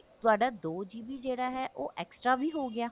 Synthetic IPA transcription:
t̪ʊaːɖaːd̪oːd͡ʒiːbiːd͡ʒeːɽaːɦɛːʔoːʔɛːksʈɾaːbiːɦoːɡɪjaː

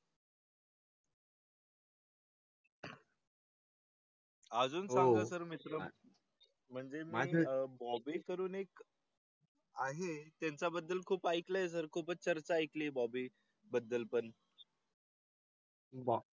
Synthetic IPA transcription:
ad͡zuːnãŋɡasəɾmit̪ɾə | m̤əɳd͡zemiːbɔbiːkəɾuːnek | aɦet̪jant͡sabəd̪ːəlkʰuːpajklajes̬əɾkʰuːpət͡st͡səɾt͡ɕaajklibɔbiː | bəd̪ːəlpən

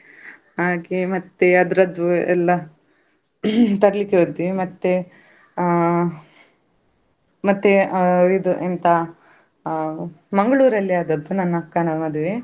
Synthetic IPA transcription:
ɦaːɡemɐt̪ːeɐd̪ɾɐd̪uɛ̰lːɐ | t̪ɐɾɐlikːeod̪imɐt̪ːe | mɐt̪ːeid̪uʔent̪ɐ | mɐŋɡɐɭuːɾɐlːiad̪ɐd̪ːunɐnːɐkːɐnɐmɐd̪uʋe

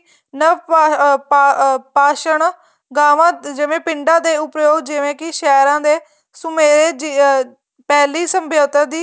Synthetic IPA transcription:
nə | paːʃəɳ | ɡaːʋãːd͡ʒɪʋẽːpɪɳɖãːd̪eːʊpɾjoːɡd͡ʒɪʋẽːkɪʃɛːɾãːd̪eː | sʊmeːɾeːd͡ʒ | pɛːliːsəmbjoːt̪əd̪iː

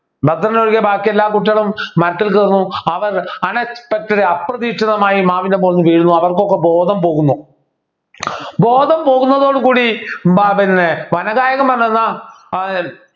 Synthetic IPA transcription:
bɐt̪ːrɐnnoɻikːebaːkːielːaːkuʈ̬ːɐɐɭumːɐɾɐt̪ːilkɐrnːuɐʋɐrɐnɐpɐk̚tːɐɾeɐprɐðiːʂɐðɐmaːjimaːʋinde̞poːɐɲːɨʋiːɻunːuɐʋɐrkokːe̞bo̞ːd̪ʱɐmpo̞ːɣunːu | boːd̪ʱɐmpo̞ːɣunːɐðo̞ːɽukuːɽibapinːeʋɐnɐɣaːjɐɣɐmpɐrɐɲːɐnːa

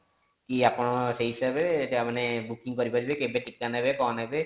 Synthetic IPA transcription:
kiapɔɽ̃ɔseɦisabeʈamanebukiŋkɔɾipaɾibekebeʈikːanaɦebekɔnɦebe

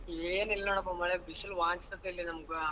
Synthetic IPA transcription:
eːnilːɐnoːɳɐp̬ːomaːɭebisulʋaːɲt͡ʃi̥t̪ɐt̪ːɐilːinɐmukɨ

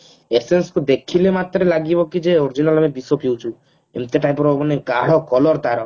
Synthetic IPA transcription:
esenskud̪ekʰilemat̪ɾelaɡibɔkid͡ʒeoɾd͡ʒinalamebisopiwt͡ʃʰu | ḛmt̪eʈajpɔɾbɔbɔneɡaɽ̤ɔkɔlɔɾd̪aɾɔ

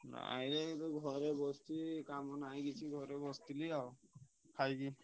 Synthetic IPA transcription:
na̰a̰jlɛtɡʱɔɾɛbɔst̪ikamɔnajɡit͡ʃʰiɡʱɔɾɛbɔst̪iliawkʰajɡi

